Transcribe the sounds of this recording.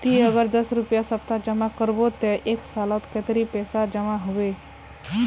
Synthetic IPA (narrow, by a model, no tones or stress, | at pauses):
t̪iəɡəɾd̪əsɾupjasəp̚t̪ad͡ʒəmakəɾbot̪eʔeksalat̪ket̪ɾipɛsad͡ʒəmaɦʊʋe